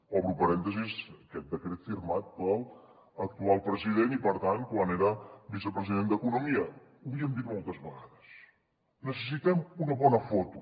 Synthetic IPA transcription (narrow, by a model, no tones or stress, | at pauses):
ɔβɾupəɾɛnt̪əzisəkɛt̪̚d̪əkɾet̪firmat̪̚pəlˠ | ək̚t̪ualˠpɾəziðenipəɾt̪an̚kwaneɾəbisəpɾəziðend̪əkunumiə | uβiəmd̪it̪̚mɔlˠt̪əzβəɣaðəs | nəs̬əs̬it̪ɛmunəβɔnəfɔt̪u